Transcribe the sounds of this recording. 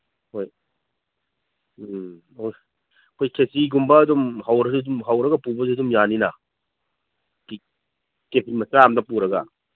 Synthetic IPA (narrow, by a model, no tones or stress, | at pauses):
hoj | ɐj | ɐkʰojkʰesiɡumbɐːdɔmɦɐwɾɐsidumɦɐwɾɐɡɐpubɐsdumjaninɐ | k | kepʰimɐsaamdɐpuɾɐɡɐ